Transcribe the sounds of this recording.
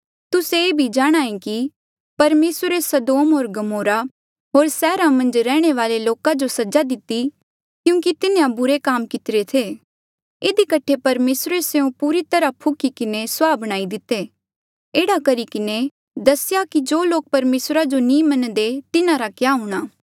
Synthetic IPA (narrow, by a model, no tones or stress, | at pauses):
t̪ʊseeːbʱid͡ʒaːɽ̃aːẽki | pɐɾmeːsɾesɐd̪oːmɦoːɾɡɐmoːɾa | ɦoːɾsɛːɾamɐ̃nd͡ʒɾɛːɽ̃eʋaːleloːkad͡ʒosɐd͡ʒad̪ɪt̪ːi | kjũːkit̪ɪnẽãbʊɾekaːmkɪt̪ɪɾet̪ʰeː | ɪd̪ikɐʈʰepɐɾmeːsɾeseũpuːɾit̪ɐɾapʰʊkikɪneswaːbəɽ̃aːid̪ɪt̪e | eːɽakɐɾikɪne | d̪ɐsɪjakid͡ʒoːloːk̚pɐɾmeːsɾad͡ʒonĩːmɐnd̪et̪ɪnãɾakjaɦuːɽ̃aː